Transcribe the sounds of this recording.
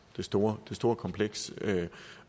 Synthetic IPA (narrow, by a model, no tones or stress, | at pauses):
d̥e̝sd̥o̝ːɐd̥e̝sd̥o̝ːɐkʰɒ̽mpʰleɡ̥sø